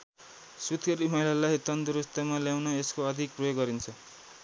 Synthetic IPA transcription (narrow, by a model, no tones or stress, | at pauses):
sut̪ʰkʌɾimʌjlalaɦjt̪ʌnd̪uɾust̪ʌmaljawnʌeskoʌd̪ʱik̚prʌjoɡɡʌɾint͡sʰʌ